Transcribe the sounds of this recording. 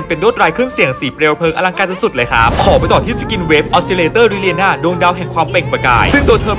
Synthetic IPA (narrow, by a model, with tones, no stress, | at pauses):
npe˧ndoː˦˥˩t̪̚ɾaː˧jkʰɾɯ˥˩əŋsi˨˩˦əŋsiː˩˦pɾe˧wpʰɤː˧ŋʔa˧la˧ŋkaː˧˩t̪ʰːsu˨˩t̪̚lɤː˧jkʰa̰˦˥p̚kʰɔː˩˦ma˧t̪ɔː˨˩t̪ʰiː˥˩si̥˧˩ki˧nweː˦˥p̚ʔɔː˦˥si˧leː˧t̪ɤː˥˩ɾi˦˥li˧ənːaː˥˩doː˧ŋda˧wɦɛ˨˩ŋkʰwaː˧mpɛ˨˩ŋba˧ka̰ː˧jsɯ˥˩ŋdoː˧jt̪ʰɤː˧m